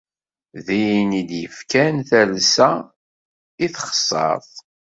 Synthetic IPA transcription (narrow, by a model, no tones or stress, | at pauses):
ðijnid̪jəfkænθælsæ | iθχə̥sˤːɑ̰θˤ